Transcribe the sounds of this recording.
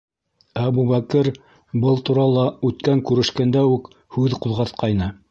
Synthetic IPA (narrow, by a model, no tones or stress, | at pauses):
æbuβækɘɾ | bɤlˠt̪uɾɑlˠɑʉt̪kæŋkʉɾɘ̆ʃkænd̪æʉk | hʉðquðʁɑθqɑjnɤ